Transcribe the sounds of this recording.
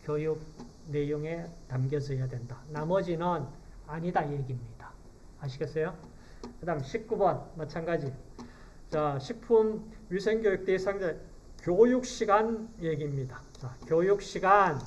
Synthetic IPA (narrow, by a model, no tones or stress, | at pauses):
kjojuk̚ne̞joŋe̞tamɡjʌd͡ʑʌjadwe̞ndanamʌd͡ʑinɯn | aɲidaje̞ɡimɲid̥a | aɕʰiɡes͈ʰejo | kɯdaŋɕʰip̚k͈ubʌnmat͡ɕʰanɡad͡ʑi | t͡ɕaɕʰik̚pʰumɥisʰeŋɡjojuk̚t͈esʰaŋd͡ʑa | kjojuk̚ɕ͈iɡanje̞ɡimɲidat͡ɕakjojuk̚ɕ͈iɡan